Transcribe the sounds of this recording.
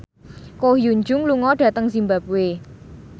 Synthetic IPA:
kohjuɲd͡ʒʊŋluŋɔɖ̥ä̤t̪əŋsimbap̚we

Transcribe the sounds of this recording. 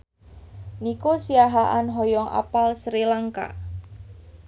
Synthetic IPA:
nikosiaɦaʔanɦɔjɔŋʔa̰palsɾilaŋka̰

